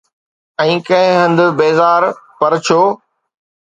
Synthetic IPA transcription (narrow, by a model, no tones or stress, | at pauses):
ɛ̃ːkɐ̃ɦɪ̃ɦə̃nd̪beːzaːɾpɐɾt͡ɕʰoː